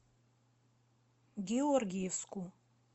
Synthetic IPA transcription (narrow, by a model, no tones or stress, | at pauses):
ɡʲɛɔrɡʲijɛvskʰʼu